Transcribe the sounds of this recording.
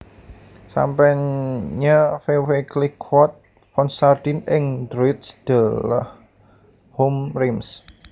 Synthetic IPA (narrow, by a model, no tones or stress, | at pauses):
sa̰mpɛɲafeweklikʰwɔt̪̚ | fɔnsard̪̥inɪŋd̪ɾoɪt̪sd̪̥ələ̰h | homrims